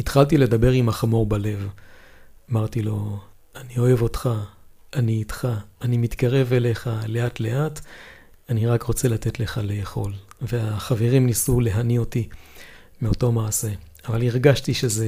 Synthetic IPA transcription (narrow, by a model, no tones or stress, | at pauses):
itχalt̬ile̞d̪abe̞ʁimaχamo̞ʁbale̞v | amaʁtilo̞ | anio̞e̞vo̞tχaʔaniːtχaːnimit̪kaʁe̞ve̞le̞χale̞atle̞ʔat | aniʁakʁo̞t͡se̞late̞tle̞χale̞eχo̞lveaχave̞ʁimnisule̞ɦanio̞ti | meo̞to̞maːse̞ | avaliʁɡaʃtiʃe̞ze